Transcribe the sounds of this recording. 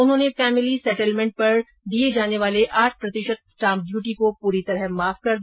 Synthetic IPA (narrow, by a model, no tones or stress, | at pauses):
ʊnɦõːnefɛːmɪlisɛːʈəlmɛ̃ːɳʈ̚pɐɾ | d̪ied͡ʒaːneʋaːleʔaːʈ̚ʰpɾɐt̪ɪʃət̪̚sʈaːmɖjuːʈikopuːɾit̪ɐɾəɦmaːfkɐɾd̪